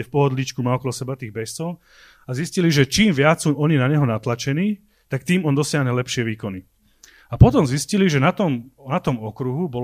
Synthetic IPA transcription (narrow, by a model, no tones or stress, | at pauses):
ɛfpɔɦɔd̪lit͡ʃkumaɔkɔlɔsɛbat̪iːɣbɛst͡sɔʊ | azisciliʒɛt͡ʃiːmʋɪat͡ssuːɔɲinaɲɛɦɔnat̪lat͡ʃɛniː | t̪ak̚t̪iːmɔnd̪ɔsɪaɦɲɛlɛpʃɪɛʋiːkɔni | apɔt̪ɔmzisciliʒɛnat̪ɔmnat̪ɔmɔkɾuɦubɔ